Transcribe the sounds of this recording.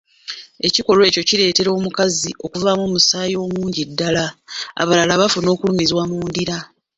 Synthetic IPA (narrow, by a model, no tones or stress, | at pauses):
e̞ciko̞lwe̞ːco̞ciɾe̞ːte̞ɾo̞ːmukaziʔo̞kuvamoːmusaːjo̞ːmuːɲɟidːalaa̰βalalaβafuno̞ːkulumizwamuːndiɾa